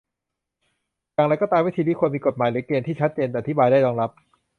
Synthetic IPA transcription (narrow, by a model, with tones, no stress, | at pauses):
ja˨˩ŋɾa˧jkɔː˥˩t̪aː˧mwi˦˥t̪ʰiː˧niː˥˩ku˧ənmiː˧ko˨˩t̪̚maː˨˩˦jlɯː˨˩˦əkeː˧nt̪ʰiː˥˩t͡ɕʰa˦˥t̪̚t͡ɕeː˧nt̪ɛː˨ʔa˩t̪ʰi˦˥baː˧jdaː˥˩jlɔː˧ŋɾa˦˥p̚